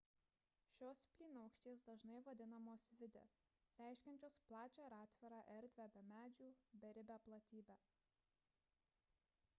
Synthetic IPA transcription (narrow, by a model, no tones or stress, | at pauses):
ʃʲoːspʲlʲiːnoɐʊkʃʲt̪ʲeːs̬d̪ɐʒnɐɪʋɐd̪ʲɪnɐmoːsʋʲɪd̪ʲɛ̰ | ɾʲæˑɪʃʲkʲɛnʲt͡ʃʲoːsplˠɑːt͡ʃʲoːɾɑːt̪ʲʋʲɛɾɑːʔɛɾʲd̪ʲʋʲæːbʲɛmʲæːd͡ʒʲuːbʲɛɾʲɪbʲæːplˠɐt̪ʲiːbʲæː